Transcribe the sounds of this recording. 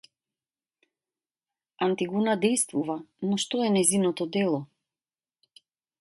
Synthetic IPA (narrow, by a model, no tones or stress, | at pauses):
ant̪iɡunad̪ɛjst̪vuvanɔʃt̪ɔɛnɛjzinɔt̪ɔd̪ɛlˠɔ